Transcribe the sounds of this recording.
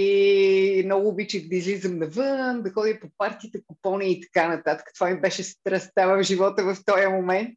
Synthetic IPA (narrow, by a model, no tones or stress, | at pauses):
i | mnɔɡʊːbit͡ʃɛk̪d̪ɐizlizəmnɐvɤnd̪ɐxɔd̪ipopaɾt̪iːt̪əkopɔniəːt̪ɐ̥kanɐt̪at̪ə̥kə̥t̪ovamibɛʃɛst̪ɾɐst̪avəvʒivɔt̪əvɐft̪ɔjəmomɛnt̪